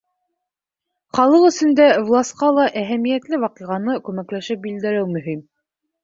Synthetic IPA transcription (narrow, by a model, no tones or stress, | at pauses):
χɑlˠɤqɵ̆sɵ̆nd̪ævlˠɑst̪qɑlˠɑʔæɦæmijæt̪lɘwɑqiʁɑnɤkʉmæklæʃɘp̚bild̪ɘ̆ɾɘwmɵ̆ɦim